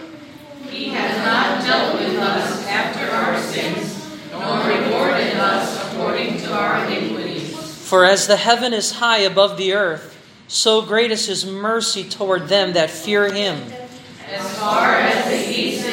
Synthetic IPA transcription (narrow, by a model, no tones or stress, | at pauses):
hiɨznət̚d̥ɛlˠt̚ɪʌɾʌskʰæp̚tʰə˞aʊə˞sɪ̃ŋz | nɔɹɹɨkʰɔɹɾɪɾʌsəkʰɔɹɾɪ̃ŋtʰɨaʊə˞ɨnɪkwɨɾi | fə˞ɨzðɨhɛvɨ̃nɨz̥haɪɨbʌvðiɜ˞θ | soʊɡɹeɪɾɨz̥ɨzmɜ˞sitʰɔɹd̪̚ðɨ̃mðɨtfɪɹɪ̃m | ɨz̥fɑɹɨzðiʔis